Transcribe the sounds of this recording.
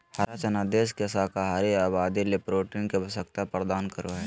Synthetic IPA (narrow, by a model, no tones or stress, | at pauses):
haɾaːt͡ʃɐnad̪eːskesaːkaɦaːɾiaːbaːd̪ilepɾoːʈiːnkebɐsək̚t̪apɾd̪aːnkəɾoɦɛː